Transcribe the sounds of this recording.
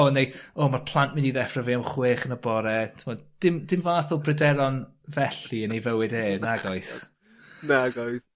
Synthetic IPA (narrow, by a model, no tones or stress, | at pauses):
ɔnejoːmarpʰlˠantmɪndiðɛfraviamχweːχənəbɔɾɛtʰɪmɔːd̚d̥ɪmdɪmvaːθʊlˠbrɛdɛlɔn | vɛɬiənejvəwɪdeːnaɡɔjs | naɡajθ